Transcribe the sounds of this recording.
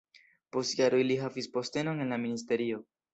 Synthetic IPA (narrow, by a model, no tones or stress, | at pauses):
po̞stjaɾojliɦavispo̞ste̞no̞ne̞nlaministe̞ɾio̞